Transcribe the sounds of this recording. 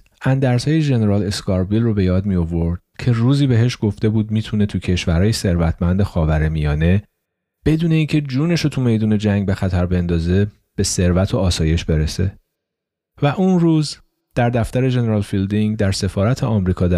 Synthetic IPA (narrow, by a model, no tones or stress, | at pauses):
ʔænd̪æɾshɒːjeʒe̞ne̞ɾɒːle̞skʰɒːɾbilrobe̞jɒːd̪mijo̞vo̞ɾd̪̥̚cʰe̞ruːziːbe̞ɦe̞ʃɡ̥o̞ft̪e̞buːd̪̚miːt̪ʰunet̪ʰucʰe̞ʃvæɾɒːjese̞ɾvæt̪ʰmænd̪exɒːvæɾe̞mijɒːne̞ | b̥e̞d̪uːne̞iːŋcʰe̞d͡ʒuːne̞ʃot̪ʰume̞jd̪uːne̞d͡ʒæŋɡbe̞xæt̪ʰæɾbe̞nd̪ɒːze̞ | b̥e̞se̞ɾvæt̪ʰo̞ɒːsɒːje̞ʃbe̞ɾese̞̰ | væʔunruːz | d̪̥æɾd̪æft̪æɾe̞ʒe̞ne̞ɾɒːlfild̪iŋɡd̪æɾse̞fɒːɾæt̪ʰeɒmɾiːkʰɒːd̪æ